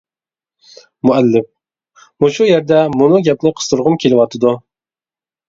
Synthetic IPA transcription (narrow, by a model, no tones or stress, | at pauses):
mʊɛlːɪf | muʃujɛɾd̪ɛmʊnɨɡʲɛpnɪqʰə̥st̪ʰʊɾʁʊmkʲʰelɪwɑt̪ʰɨd̪u